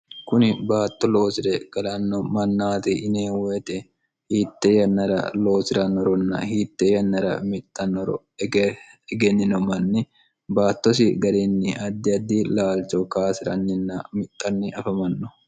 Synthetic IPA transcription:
kʊnɪbaːt̪ːɔlo̞ːsɪɾɛɡ̥ɐlɐnːɔmɐnːaːt̪ɪʔɪneːwɛt̪ʼɛ | hiːt̪ːɛjɐnːɐɾɐ̰lo̞ːsɪɾɐnːɔɾɔnːɐ̰hiːt̪ːɛjɐnːɐɾɐ̰mɪt̪ʼːɐnːɔɾ | ɛɡenːɪnɔmɐnːɪ | baːt̪ːɔs̬ɪɡɐɾeːnːɪʔɐd̪ːɪɐd̪ːiːlaːlt͡ʃɔkaːsɪɾɐ̰nːɪnːɐmɪt̪ʼːɐnːɪʔɐfɐmɐnːɔ̥

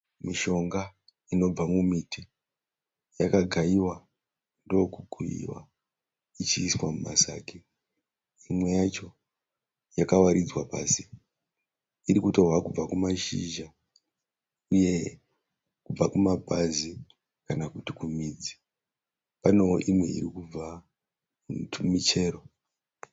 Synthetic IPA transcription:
miʃo̞ŋɡa | ino̞b͡vamumiti | jakaɡʱaiwa | ndokuɡʱuḭwa̰ | it͡ʃiːswamuma̰saːki | imwe̞jat͡ʃo̞ | jakawaɾid͡zwapaːsi | iɾikuto̞ɦwakub͡vakumaʃiʒa | uje̞ | kub͡vakumabʱazi | kanakutikumiːd͡zi̥ | pano̞ʔimwe̞ḭɾikub͡va | tʰumit͡ʃe̞ːɾo̞

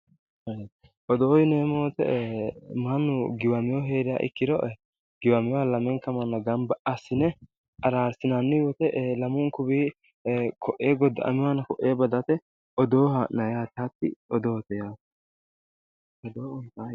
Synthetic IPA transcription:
hɐ | ʔɔd̪oːjneːmoːt̪ɛ̰ | mɐnːʊɡɪwɐmɪjɔɦeːɾɪja̰ːʔɪ̰kːɪd̪ɔʔ | ɡɪwɐmɪjwaːlɐmɛŋkɐmɐnːɐɡɐmbɐʔɐsːɪnɛ | ɐɾaːɾsɪnanːɪjɔt̪ɛʔlɐmʊŋkʊbiː | kʰɔʔeːɡɔd̪ːɐ̰ʔɐ̰mɪwanɐkɔʔːeːbɐd̪ɐt̪ɛ | ʔɔd̪oːhaʔnɐjaːt̪ɪɐt̪ːɪ̰ɔd̪oːt̪ɛjaːt̪ | ɔd̪oːɔnt̪aː

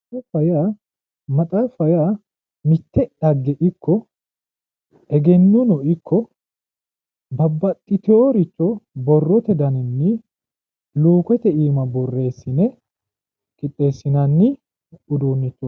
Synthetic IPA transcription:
ɛfɐja | mɐt̪ʼaːfɐjaː | mɪt̪ːɛᶑɐɡːɛʔɪkʰːɔ | ɛɡɛnːʊnɔʔɪkʰːɔ | bɐbːɐt̪ʼːɪt̪ɪoɾɪt͡ʃːɔbɔrːɔt̪ɛd̪ɐnɛnːɪ | luːkɛt̪ɛiːmɐbɔrːe̞ːsːɪnɛ | kʼɪt̪ʼːe̞ːsːɪnɐnːɪ | ʊd̪uːnːɪt̪ːʊ

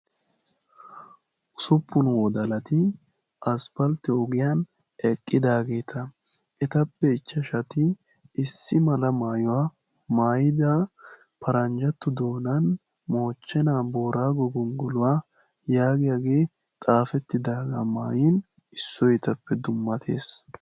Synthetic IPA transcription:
ʔʊsʊpːʊnwɔd̪ɐlɐt̪ɪ | ɐspɐlt̪ɪɔɡɪjaːn | ɛkʼːɪd̪aːɡe̞ːt̪ʰɐ | ʔɛt̪ɐpːɛɪt͡ʃːɐʃɐt̪ɪ | ɪsːɪmɐlɐmaːjɔwaː | maːjɪd̪a | pʰɐɾɐnd͡ʒɐt̪ːʊd̪o̞ːnɐn | mo̞ːt͡ʃːɛnaːbo̞ːɾaːɡɔɡɔnɡɔlʊwaː | jaːɡɪjaɡe̞ː | t̪ʼaːfɛt̪ːɪd̪aːɡamaːjin | ɪsːɔjt̪ɐpːɛd̪ʊmːɐt̪ʰe̞̰ːs

